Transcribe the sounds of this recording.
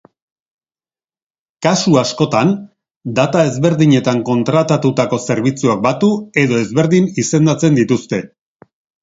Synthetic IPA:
kasuasko̞t̪an | d̪at̪aezβe̞ɾðiɲe̞t̪aŋko̞nt̪ɾat̪at̪ut̪ako̞se̞ɾβit͡suak̚bat̪ue̞ðo̞e̞zβe̞ɾðinise̞nd̪at͡se̞nd̪it̪ust̪e̞

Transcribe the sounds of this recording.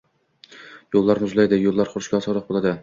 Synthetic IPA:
jolˠːɑɾnɪyzlˠæjd̪ɪjolˠːɑɾχʊɾʃkʲɑːsɑɾlˠɑq̚bolˠɑd̪ɨ

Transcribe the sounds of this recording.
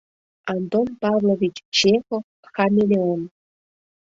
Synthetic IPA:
ant̪onpɑvlˠovʲit͡ɕt͡ɕexo | xamʲelʲeən

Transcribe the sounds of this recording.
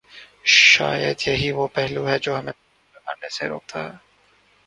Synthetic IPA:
ʃa̰ːjəd̪jɐɦiʋopɛɦluɦɛd͡ʒoːɦɐmẽ | ɐka̰ːɾnesḛɾo̰ːk̚t̪ʰaɦɛː

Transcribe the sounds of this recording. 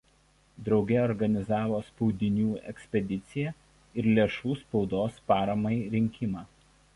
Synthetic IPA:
d̪ɾɒʊɡʲɛɔɾɡɐnʲɪzɑːʋoːspɔʊd̪ʲɪnʲuːɛ̰ksʲpʲɛd̪ʲɪt̪sʲɪjɛ | ɪɾlʲeːʃuːspɒʊd̪oːspɑːɾɐmɐɪɾʲɪŋʲkʲɪmɑː

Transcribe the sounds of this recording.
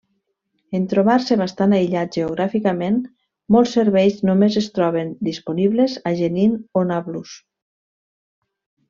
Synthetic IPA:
ent̪ɾoβaɾseβast̪anajʎat̪ʒ̥eoɣɾafikamen | molˠsːeɾβɛjznomezest̪ɾɔβend̪isponiβlezaʒeninonaβlus

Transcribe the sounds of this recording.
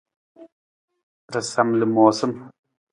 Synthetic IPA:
ɾɐsɐmlɨmoːsəm

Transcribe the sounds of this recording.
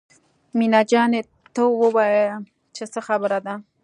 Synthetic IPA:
minɑd͡ʒɑne | t̪əwəwajə | t͡ʃesəxabəɾad̪a

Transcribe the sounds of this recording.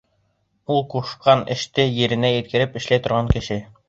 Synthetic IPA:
ulˠquʃqɑnɘ̰̆ʃt̪ɘjɘ̆ɾɘ̆næjɘ̆t̪̚kɘ̆ɾɘpɘ̆ʃlæjt̪ŏɾʁɑŋkɘ̆ʃɘ

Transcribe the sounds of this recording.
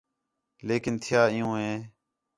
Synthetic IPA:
leːkɪnt̪ʰɪjaːɪjũːɦẽː

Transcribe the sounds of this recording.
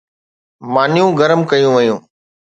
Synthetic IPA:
maːnɪjũːɡəɾəmkɐjũːʋəjũː

